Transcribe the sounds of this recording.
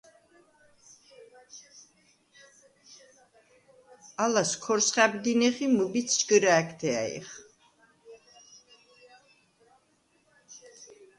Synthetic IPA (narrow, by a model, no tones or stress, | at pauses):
alaskʰɔɾsχæbd̪inɛχimubit̪t͡sʰt͡ʃɡəɾaːkʰt̪ʰɛa̰ḭχ